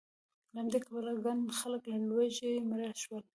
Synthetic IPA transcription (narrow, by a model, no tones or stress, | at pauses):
ləhamd̪ekabəlaɡand̪xaləklalwaʒemaɾaʃwəl